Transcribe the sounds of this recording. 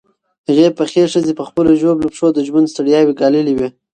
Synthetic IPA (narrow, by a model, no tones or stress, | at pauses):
ɣepəxeʂəzepəxpəloʒoblupʂod̪əʒmand̪st̪aɽijɑwiɡɑləliwi